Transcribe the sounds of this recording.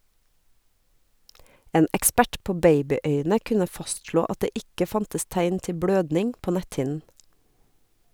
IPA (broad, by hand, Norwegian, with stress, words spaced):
ˈeːn ɛkˈspæʈ ˈpoː ˈbeɪbɪˌœʏnə ˈkʉnə ˈfɑstʃloː ˈɑt ˈdeː ˈɪkə ˈfɑntəs ˈtæɪn ˈtɪ ˈbɽøːdnɪŋ ˈpoː ˈnɛthɪn